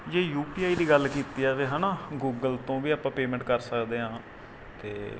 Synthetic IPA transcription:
d͡ʒeːjuːpiːaːiːd̪iːɡəlkiːt̪iːɛːʋeːɦɛːnaːɡuːɡəlt̪õːʋiːaːpãːpeːmɛ̃ːɳʈ̚kəɾsəkd̪eːɦãː | t̪ḛː

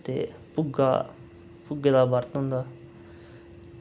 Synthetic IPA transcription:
t̪ḛpʊɡa̰ | pʊɡed̪aːbaɾt̪õnd̪aː

